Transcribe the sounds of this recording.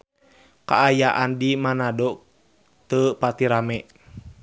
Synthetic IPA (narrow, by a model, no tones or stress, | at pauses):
ka̰ʔːjaʔandimanadɔ | t̪əpat̪iɾamɛ